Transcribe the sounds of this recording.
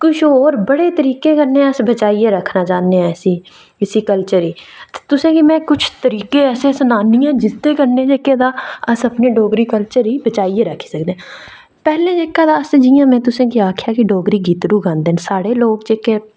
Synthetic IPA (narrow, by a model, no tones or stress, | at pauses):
kʊt͡ʃʰoːɾbəɽeːt̪əɾiːkẽːkəɾnẽːəsbət͡ʃaːiːeːɾəkʰnaːt͡ʃaːnẽɛsiː | ɪsiːkəlt͡ʃəɾiːt̪e̥t̪ʊsẽːkimɛ̃ːkʊt͡ʃʰt̪əɾiːkeːɛːsesənaːnijãːd͡ʒɪt̪ːeːkəɾnẽːd͡ʒeːked̪aːəsəpneːɖoːɡɾiːkəlt͡ʃəɾiːbət͡ʃaːieːɾəkʰi̥səkd̪ẽ | pɛːlẽːd͡ʒeːkaːd̪aːəsd͡ʒijãːmɛ̃ːt̪ʊsẽːkiaːkʰjaːkiɖoːɡɾiːɡiːt̪ɾuːɡãːnd̪eːnsaːɽeːloːɡd͡ʒeːkeː